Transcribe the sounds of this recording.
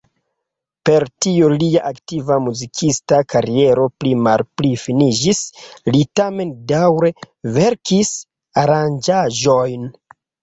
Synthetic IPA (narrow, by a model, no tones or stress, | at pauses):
pe̞ɾtioliaʔaktivamuzikʰistakaɾie̞ɾo̞plimalplifinid͡ʒislitame̞ndawɾe̞ | ve̞ɾkis | aɾand͡ʒaʒo̞jn